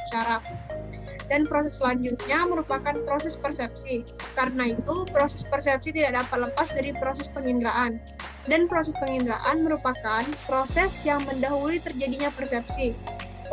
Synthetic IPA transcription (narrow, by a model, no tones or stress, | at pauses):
ʃaɾat̚ | danpɾosɛslaɲd͡ʒut̪̚ɲaməɾupakanpɾosɛspərsɛp̚sikaɾənait̪upɾosɛspərsɛp̚sit̪idak̚dapat̪̚ləpasdaɾipɾos̬ɛspəŋindɾaʔan | danpɾosɛspəŋindɾa̰ʔanməɾupakanpɾosɛsjaŋməndaɦulit̪ərd͡ʒadiɲapərsɛp̚si